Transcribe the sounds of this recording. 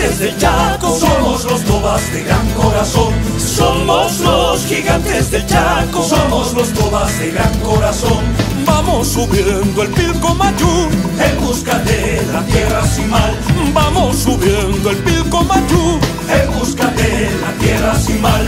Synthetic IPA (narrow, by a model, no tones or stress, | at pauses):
ezðet͡ʃakosomozlozmoβazðeɣɾaŋkoɾasoŋ | somozlosxiɣant̪ezðet͡ʃakosomozlozmoβazðeɣɾaŋkoɾasoŋ | bamosːuβjnd̪oe̞lilkomaʝuembuskaðelat̪jerasimalbamosːuβjend̪oe̞lpilkomaʝu | elbuskaðelat̪jerasimal